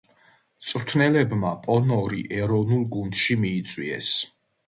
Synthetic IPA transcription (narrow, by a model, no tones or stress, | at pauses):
t̪sʼɾt̪ʰnɛlɛbmapʼɔnɔɾḭʔɛɾɔvnulˠɡund̪̥ʃimiːt̪sʼwiɛ̰s